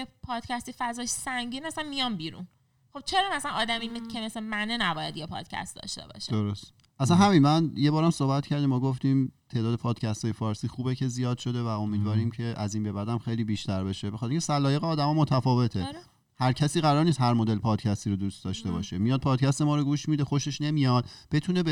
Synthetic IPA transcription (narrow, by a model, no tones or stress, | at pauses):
epʰɒːd̪̥cʰæst̪ifæzɒːjsæŋɟiːnmæsænmijɒmbiːɾṵn | χob̥̚t͡ʃʰeɾɒːmæsænɒːd̪æmimicʰemesemænenæbɒːjæd̪jepʰɒ̰ːd̪̥cʰæ̰st̪d̪ɒ̰ʃt̪ḛbɒ̰ːʃd̪oɾost̪ | ʔæsænɦæminmænje̞bɒːɾæmsohbæt̪cʰæɾd̪imːɔːɡoft̪iːmt̪ʰe̞ːd̪ɒːd̪e̞pʰɒːd̪̥cʰæst̪ɒːjefɒːɾsiːxuːbecʰe̞zijɒːd̪̥ʃo̞d̪e̞væo̞miːd̪vɒːɾiːmcʰe̞ʔæziːnbe̞bæd̪æmxe̞jliːbiːʃt̪æɾbeʃebexɑt̪ʰeɾiŋcʰʲesælɒːjeɣeɒːd̪æmɒmot̪ʰæfɒːve̞t̪ʰe | hæɾcʰæsiːɣæɾɒːɾnist̪hæɾmod̪elpʰɒːd̪cʰæst̪iːɾod̪uːst̪d̪ɒːʃt̪e̞bɒːʃemijɒːd̪̚pʰɒːd̪̥̚cʰæst̪emɒːɾoɡuːʃmiːd̪exo̞ʃe̞ʃne̞mijɒːd̪̥b̥e̞t̪ʰuneb